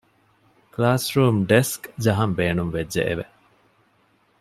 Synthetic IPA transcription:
klaːsɾuːmɖeskd͡ʒɐɦɐmbeːnumʋed͡ʒːḛʔḛʋe

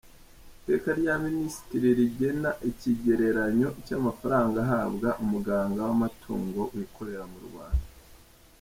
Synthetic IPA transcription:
te̞ːkaɾɟaminisi̥tiɾiɾiɟe̞naʔiciɟe̞ɾe̞ɾaɲo̞icamafaɾaːŋɡaɦaβɡaʔumuɡaːŋɡawamatʰṵːŋɡo̞ʔuwikʰo̞ɾe̞ɾamuɾṵβa̰ːnda

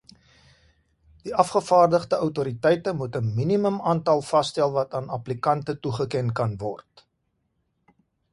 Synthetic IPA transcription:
d̥iʔɐfχəfɑːrdəχdəœwtuɾitɛjtəmutəminiməmɑːntɐlˠfɐstɛlˠvɐtɑːnɐplikɐntətuχəkɛnkɐnvɔ̰rt

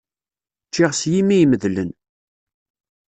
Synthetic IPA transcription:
t͡ʃːɪʁsjimːijməðlən

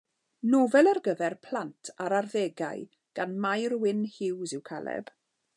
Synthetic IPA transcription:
novɛlˠarɡəvɛrpʰl̥antʰaɾarðɛɡa̰j | ɡ̥anmajrwɪnhɪwzɪwkʰalˠɛ̰b̥

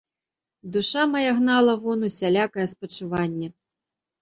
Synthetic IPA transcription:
d̪uʂamɐjaɣnalˠɐvɔnusʲalʲakɐjɛspɐt͡ʂuvanʲːɛ

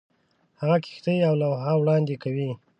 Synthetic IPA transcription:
haɣaki̥xt̪əawlawɦawɽɑnd̪ekawi

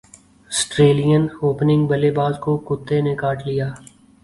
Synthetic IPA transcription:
ɐsʈɾeːlijənoːpnɪ̃ŋɡbɐlebaːlkokʊt̪ːenekaːʈlijaː

